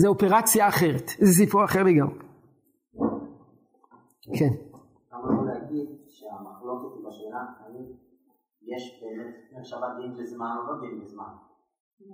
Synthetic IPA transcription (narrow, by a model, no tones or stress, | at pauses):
zeope̞ʁat͡sjaːχe̞ʁet̪ezes̬ipuaχeʁleɡamʁe | kʰen | amunuleaɡid̪ʃeamaχlo̞ket̪ibaʃenaktanit | jeʃbeːmet̪eχʃavadimlizmanolod̪imlizman